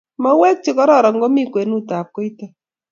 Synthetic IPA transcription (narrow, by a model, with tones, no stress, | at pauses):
mɔ˦wɛ˦k̚t͡ʃɪ˦kɔ˦ɾɔ˦˨ɾɔ˨ŋɡo˦mi˦kwe˨nu˦ta˨p̚ko˦i˦ta˦˨